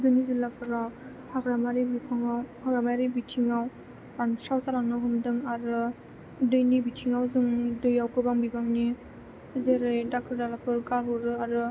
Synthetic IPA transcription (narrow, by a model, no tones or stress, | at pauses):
zɯnizilapʰɯɾa | hʰaɡɾamaɾibipʰaŋawhaɡɾamajɾibitʰiŋaw | ansawsalaŋnawɦɯmdɯŋaɾɯ | dɯjnibitʰiŋawzɯŋdɯjawkɯbaŋbibaŋni | zeɾɯjdak̚tʰɯɾdalapʰɯɾkaɾɦɔɾɯaɾɯ